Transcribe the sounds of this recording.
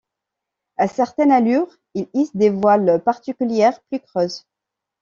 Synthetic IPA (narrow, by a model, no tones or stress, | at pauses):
asɛʁt̪ɛnalyʁ | ilisd̪evwalpaʁt̪ikʲyljɛʁplykχøːz